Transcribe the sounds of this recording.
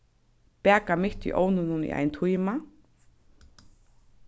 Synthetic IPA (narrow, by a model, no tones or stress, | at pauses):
pɛːkamɪht̪ḭʔownʊnʊnḭʔa̰jnt̪ʰujma